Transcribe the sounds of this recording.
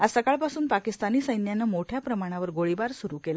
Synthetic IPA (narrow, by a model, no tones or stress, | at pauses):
asəkaɭpasuːnpakist̪aniːsəjnjanəmoʈʰjapɾəmaɽ̃aʋəɾɡoɭibaɾsuɾuːkela